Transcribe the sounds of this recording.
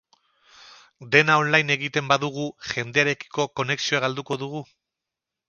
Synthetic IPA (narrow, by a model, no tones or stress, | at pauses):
d̪e̞nao̞nlajne̞ɣit̪e̞mbaðuɣ̞uʝe̞nd̪e̞aɾe̞ki̥ko̞ko̞ne̞ksio̞aɣald̪uko̞ðuɣ̞u